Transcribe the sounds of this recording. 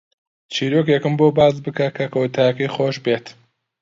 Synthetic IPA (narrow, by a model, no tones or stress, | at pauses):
t͡ʃʰiːɾokjekɨmboːbaːzbɨkɐkʰɐkɐwʊt̪ʰaːjɐkɐjχoːʃbeːt̪